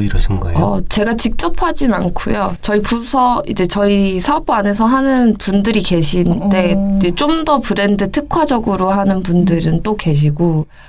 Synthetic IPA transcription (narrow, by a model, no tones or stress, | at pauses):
iɾʌsʰɯnɡʌʌt͡ɕe̞ɡat͡ɕik̚t͡ɕ͈ʌpʰad͡ʑinankʰojot͡ɕʌipusʰʌid͡ʑe̞t͡ɕʌisʰap͈ane̞sʰʌɦanɯnpundɯɾike̞ɕʰinde̞d͡ʑet͡ɕ͈omdʌpɯɾenndɯtʰɯkʰwad͡ʑʌɡɯɾoɦanɯnpundɯɾɯnt͈oke̞ɕ̬ʰiɡo